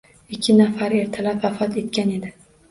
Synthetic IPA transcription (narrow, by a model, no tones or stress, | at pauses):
ɪkʲʰːɪnafaɾe̞ɾt̪ʰɪlapvafɒt̪ʰe̞t̪̚kʲane̞d̪ɪ